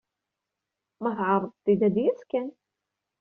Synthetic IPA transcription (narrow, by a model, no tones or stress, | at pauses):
mæθʕɑrˤːəðˤt̪ːid̪æd̪jæskæn